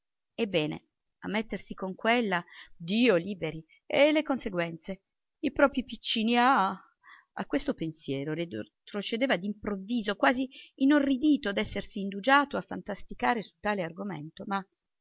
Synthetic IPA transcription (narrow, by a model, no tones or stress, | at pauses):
ebːɛːnḛ | a̰mːet̪ːersikoŋkwelːad̪iːoliːbeɾi | elːekonseɡwɛnt̪se | ipɾɔːpɾipit͡ʃːiːnia | a̰kːwest̪opensjɛːɾolid̪t̪ɾot͡ʃed̪eːvad̪impɾovːiːzokwaːziːnorːid̪iːt̪od̪ɛsːersiːnd̪ud͡ʒaːt̪oafːa̰nt̪ast̪ikaːɾesu̥t̪ːaːlearɡomḛnt̪oma